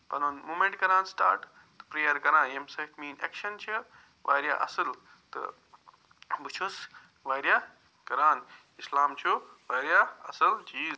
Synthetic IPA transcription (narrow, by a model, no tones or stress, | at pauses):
pɐnonmoːmẽɳʈ̚kɐɾãːnsʈa̰ːɾʈ | t̪ɨ̥pɾeːjɐɾkɐɾãːnemsɐkmiːnḛkʃɐnt͡ʃʰi | ʋa̰ːjɾja̰ʔɐsɨl | t̪ɨ̰ | but͡ʃʰus | ʋaːjɾja | kɐɾaːn | islaːmt͡ʃʰuʋaːjɾjaɐsɐlt͡ʃiːz